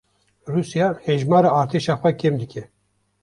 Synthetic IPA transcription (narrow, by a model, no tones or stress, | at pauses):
ruːsijɑːhɛʒmɑːɾaːɾt̪ʰeːʃɑːxʷɛkʰemd̪ɨkʲʰɛ